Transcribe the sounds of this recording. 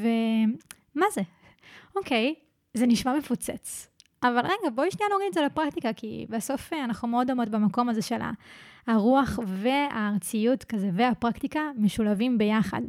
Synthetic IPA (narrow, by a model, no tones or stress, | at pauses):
ve | maze | okej | zeniʃmame̞fut͡sḛt͡sʔavalʁeɡaboiʃnijanoʁimetzelapʁakt̪ikakḭbaso̞feanaχnumeo̞domotbamako̞mazeʃe̞la̰ːʁuaχveaːʁt͡sijutkazeveapʁaktikameʃulavimbe̞jaχa̰d